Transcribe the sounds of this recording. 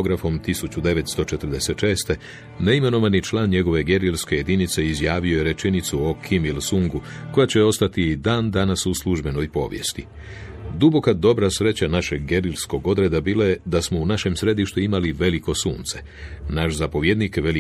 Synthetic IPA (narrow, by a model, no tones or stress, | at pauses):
oɡɾafo̞mt̪isut͡ɕud̪e̞ʋe̞t̪st̪o̞t͡ʃe̞t̪ɾd̪e̞se̞t̪ʃe̞ːst̪e̞ | ne̞ime̞no̞ʋanit͡ʃlaːnɲe̞ɡo̞ʋe̞ɡe̞ɾilske̞je̞d̪init̪se̞izjaːʋio̞jeɾe̞t͡ʃenit̪suo̞kʰimilsuŋɡuko̞jat͡ɕe̞o̞st̪at̪id̪aːnd̪anasusluʒbe̞no̞jpo̞̰ːʋje̞̰st̪i | d̪ubo̞kad̪o̞bɾasɾe̞t͡ɕanaʃe̞ɡɡe̞ɾilsko̞ɡo̞d̪ɾe̞d̪abiːlaje̞d̪asmo̞unaʃe̞msɾe̞d̪iʃt̪uimaliʋe̞liko̞sṵːnt̪se̞̥ | naʃzapo̞ʋje̞d̪nikʋe̞li